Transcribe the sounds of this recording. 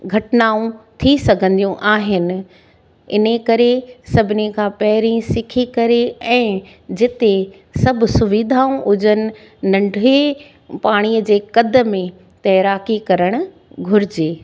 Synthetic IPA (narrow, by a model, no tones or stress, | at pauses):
ɡʱɐʈnaːũt̪ʰisɐɡʱə̃nd̪ijũʔaːɦɪnɪ̆ | ɪ̰nəkɐɾesɐbʱɪnekʰãːpɐɦɪɾĩsɪkʰikɐɾeɛ̃ː | d͡ʑɪt̪e | sɐbʱʊ̆sʊʋiːd̪ʱaːũʔʊd͡ʑənɪ̆ | nɐ̃ɳɖʱe | paːɽ̃ijəd͡ʑeːkɐd̪əmẽ | t̪ɐːɾaːkikɐɾəɽ̃ʊ̆ | ɡʱʊɾɪd͡ʑeː